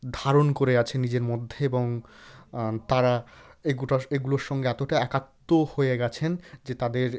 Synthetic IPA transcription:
d̪ʱaɾonkoɾeɡat͡ɕʰenid͡ʑeɾmod̪ʱːeeboŋ | t̪aɾaeɡuʈaeɡuloɾʃɔŋɡeɛt̪oʈaɛkat̪ːohoeɡɛt͡ɕʰend͡ʑet̪ad̪eɾ

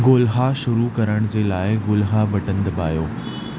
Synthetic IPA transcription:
ɡoːlɦaʃʊɾukɐɾəɽ̃d͡ʑeːlaːɪɡʊːlɦabɐʈə̃nd̪əba̰ːjoː

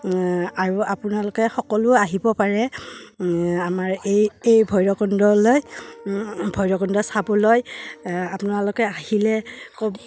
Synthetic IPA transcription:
aɹuapʊnalʊkɛxɔkɔlʊaɦibɔpaɹɛ | amaɹejejbʱɔjɹɔkɔndɔloj | bʱɔjɹɔkɔndɔsabɔlojapʊnalʊkɛahilɛkɔb

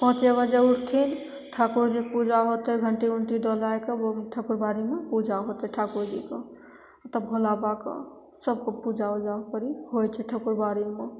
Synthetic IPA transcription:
pɔ̃t͡ʃebəd͡ʒeuɽt̪ʰin | ʈʰakuɾd͡ʒikpud͡ʒaɦot̪əɦɡʱəɳʈiuɳʈid̪ɔlajkeboʈʰəkuɾbaɾimepud͡ʒʱaɦot̪əʈʰakuɾd͡ʒike | t̪əbbʱolabakḛ | səb̚kepud͡ʒʱaod͡ʒapəɾihojt͡ʃʰɛʈʰəkuɾbaɾime

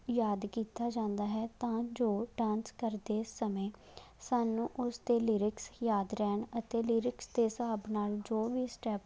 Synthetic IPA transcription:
jaːd̪kiːt̪aːd͡ʒãːnd̪aːɦɛːt̪ãːd͡ʒoːʈãːnskəɾd̪eːsəmẽː | saːnũːʔʊst̪eːliːɾɪksjaːd̪ɾɛːɳət̪eːliːɾɪksd̪eːsaːbnaːld͡ʒoːʋiːsʈɛːp

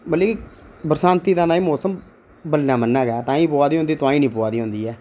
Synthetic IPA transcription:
bəlːeːkibəɾsãːnt̪iːt̪ãːnaːĩːmoːsəm | bəlːãːmənːaːɡɛːt̪ãːĩːpoːaːd̪iːõnd̪iːt̪ʊãːĩːnĩːpoːaːd̪iːõːnd̪iːɛː

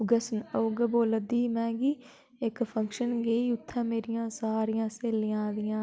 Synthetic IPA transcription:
ɡəsənəʊɡəboːləd̪iːmɛ̃ːɡiː | ɪkpʰə̃ŋkʃənɡeːiːʊt̪ʰːãːmeːɾɪjãːsaːɾɪjãːseːlɪjãːd̪ɪjãː

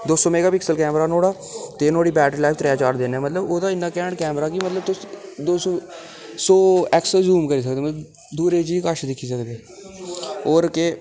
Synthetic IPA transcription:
d̪oːsɔːmeːɡaːpɪksəlkɛːmɾaːnoːɽaː | t̪eːnoːɽiːbɛːʈɾilaːt̪ɾejaːt͡ʃaːɾd̪eːnɛːmət̪ləboːd̪aːɪnːãːkɛːɳkɛːmɾaːkimət̪ləb̚t̪ʊsd̪oːsoː | soːɛːksəzuːmkəɾiːs̬əkd̪eːmət̪əb | d̪uːɾeːd͡ʒiːkaʃd̪ɪkʰːiːs̬əkd̪eː | oːɾke

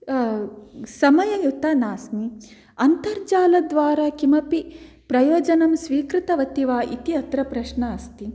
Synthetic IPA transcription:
sɐmɐjɐjut̪anaːsni | ɐnt̪ɐɾd͡ʒaːlɐd̪ʋaːɾakimɐpi | pɾɐjoːd͡ʒɐnɐmsʋiːkɾɪt̪ɐʋɐt̪iʋaːʔit̪iɐt̪ɾɐpɾɐʃnɐɐst̪i

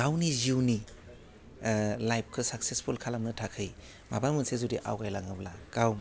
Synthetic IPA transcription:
awniziwni | lajp̚ʰkʰɯsaksespʰulkʰalamnɯtʰakʰɯj | ma̰balmɯnsezudiʔa̰wɡajlaŋɯblakawm

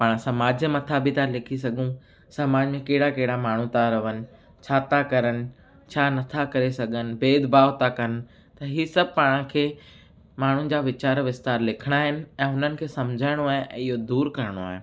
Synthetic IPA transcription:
paːɽ̃sɐmaːd͡ʑjəmɐt̪ʰabit̪alɪkʰis̬ɐɡʱũ | saːmaːd͡ʑmẽkɐɦɪɽakɐɦɪɽamaːɳ̤ũt̪aɾɐʋənɪ̆ | t͡ɕʰaːt̪akɐɾənɪ̆ | t͡ɕʰaːnɐt̪ʰakɐɾesɐɡʱənɪ̆beːd̪baːʋt̪ʰakɐnɪ̆ | t̪ɐɦiːsɐb̚ʱpaːɽ̃ə̃kʰeː | maːɳ̤ũnɪ̆d͡ʑaːʋɪt͡ɕaːɾʋɪst̪aːɾlɪkʰəɽ̃aːɦɪnɪ̆ɛ̃ːɦʊnənɪ̆kʰeːsɐmd͡ʑʱaːɪɽ̃oaːɦɪ̃ʔɛ̰̃ːɪɦod̪uːɾkɐɾəɽ̃oa̰ːɦẽ

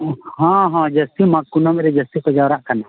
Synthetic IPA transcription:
hɔ̃ɦɔ̃d͡ʒəst̪imakːunɔmɛɾɛd͡ʒəst̪ikɔd͡ʒawɾaʔkana

